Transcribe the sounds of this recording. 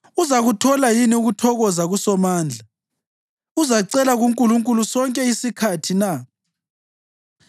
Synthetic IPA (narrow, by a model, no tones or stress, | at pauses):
uzaɣutʰɔlajiniuɣutʰɔɣɔzaɣusɔmaːnd͡ɮʱa | uzaǀɛlaɣuŋkʼuluŋkʼulusɔŋkʼɛisikʰatʰina